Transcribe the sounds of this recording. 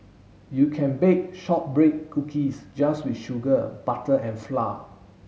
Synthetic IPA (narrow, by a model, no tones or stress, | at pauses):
jukʰɛ̃nbek̚ʃɔp̚bɹekkːukʰisd͡ʒaswitʃuɡəb̥atəʔɛ̃nfla